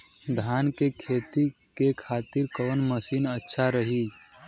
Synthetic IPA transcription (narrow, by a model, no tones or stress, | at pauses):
d̪ʱaːnkekʰeːt̪i | kekʰaːt̪ɪɾkəʋnməsiːnətːʃʰaɾəɦi